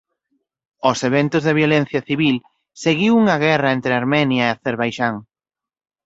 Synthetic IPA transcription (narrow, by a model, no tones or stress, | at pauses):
oseβent̪ʊzðeβjolen̟θjɐθiβil | seɣiwuŋɐɣɛrɐent̪ɾɪaɾmɛnjɐeaθeɾβajʃaŋ